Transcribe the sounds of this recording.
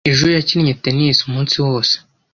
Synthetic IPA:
iʒujaciɾɲeteniːsumuːnsiwoːse̥

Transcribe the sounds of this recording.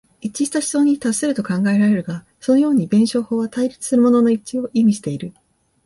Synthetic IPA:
it͡ɕiɕt̪aɕi̥so̞̟ːit̪asːeɾɯ̟t̪o̞kãŋɡae̞ɾaɾe̞ɾɯ̟ɡa | so̞no̞jo̞ːɲ̟ibẽ̞ɰ̃ɕo̞ːho̞ːβat̪aiɾʲit͡sɨ̥sɨɾɯ̟mo̞no̞no̞it͡ɕio̞ʔimʲiɕi̥t̪e̞iɾɯ̟

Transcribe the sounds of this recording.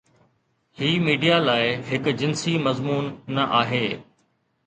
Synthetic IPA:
hiːmiːɖijalaːɪɦɪkʊd͡ʑɪnsimɐzmuːnːɐʔaːɦeː

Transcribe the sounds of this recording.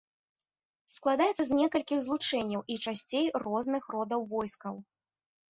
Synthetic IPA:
sklˠad̪ajɛt̪sɐzʲnʲɛkɐlʲkʲiɣzlˠut͡ʂɛnʲːɐwʔit͡ʂasʲt͡sʲejrɔznɨxrɔd̪ɐwvɔjskɐw

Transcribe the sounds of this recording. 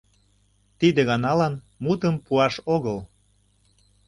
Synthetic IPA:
t̪id̪eɣɑnɑlɑn | mut̪əmpuɑʃoɣəl

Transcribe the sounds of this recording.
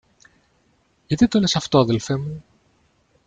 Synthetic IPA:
ʝɐt̪it̪ole̞sɐft̪o̞ɐðe̞lfe̞mu

